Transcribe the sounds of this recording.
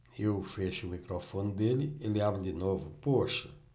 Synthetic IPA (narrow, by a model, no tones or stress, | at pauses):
ewfeʃumikɾofõnd̪elɪelɪabɾd̪inovʊpoʃɐ